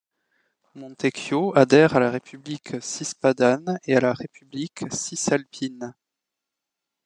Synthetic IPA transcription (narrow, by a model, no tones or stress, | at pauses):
mɔ̃t̪ekjoad̪ɛʁalaʁepybliksispad̪anealaʁepybliksisalpʰin